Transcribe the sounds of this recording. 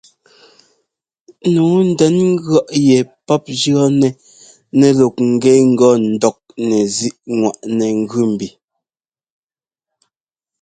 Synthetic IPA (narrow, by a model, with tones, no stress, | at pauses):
nuː˨˦n̩˨dɛ˨˦nŋ̩˦ɡɰɔ˦ʔjɛ˨pɔ˦p̚d͡ʒɰɔ˦nɛ˨ | nɛ˨lo˨k̚ŋ̩˨ɡɛ˦ŋ̩˦ɡɔ˦n̩˨dɔ˨k̚nɛ˨zi˦ʔŋwa˨ʔnɛ˨ŋ̩˦ɡʉ˦˨m̩˨bi˨